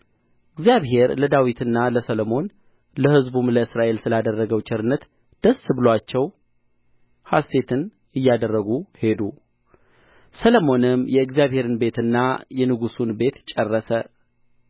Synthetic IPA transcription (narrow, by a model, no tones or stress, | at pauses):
ʔɨɡzijaβɦe̞ɾləd̪awit̪ʰɨnːaləsələmo̞n | ləhɨzbumləɨsɾaʔe̞lsɨlad̪ərːəɡəwt͡ʃʼʰɪɾɨnːət̪ | d̪̥əsɨbɨlwat͡ʃːɛw | hast̪ʰe̞t̪ʰɨn | ɨjːad̪ərːəɡuhe̞d̪u | sələmo̞nɨmjɛɨɡzijaβhe̞ɾɨnbe̞t̪ɨnːajɛnɨɡusunbe̞t̪t͡ʃʼɛrːəsə